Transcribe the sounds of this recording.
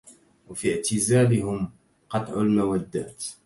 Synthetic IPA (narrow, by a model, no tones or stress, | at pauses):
wafiʕt̪ɪzaːlɪhʊm | qɑt̪ˤʕʊlmawad̪ːa̰ːt̪